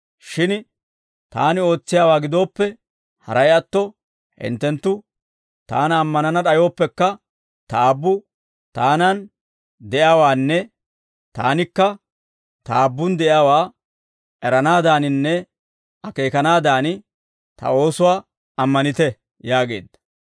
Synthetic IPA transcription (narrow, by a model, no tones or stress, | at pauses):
ʃɪn | t̪aːnɪo̞ːt͡sːɪjaːwaːɡɪd̪o̞ːpːɛ | hɐ̰ɾɐjɐt̪ːɔ | hɪ̰nt̪ːɛnt̪ːʊ | t̪a̰ːnɐːmːɐnɐnɐɗɐjo̞ːpːɛkːɐ | t̪ɐaːbːʊ | t̪aːnɐn | d̪ɛʔjaːwaːnːɛ | t̪a̰ːnɪkːɐ | t̪ɐaːbːʊnd̪ɛʔjaːwaː | ʔɛɾɐnaːd̪aːnɪnːɛ | ʔɐke̞ːkɐnaːd̪aːnɪ | t̪ɐ̰o̞ːsʊwaː | ɐmːɐnɪt̪ɛ | jaːɡe̞̰ːd̪ːɐ̥